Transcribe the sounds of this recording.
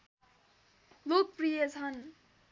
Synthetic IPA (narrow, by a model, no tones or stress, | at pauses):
lok̚prijʌt͡sʰʌn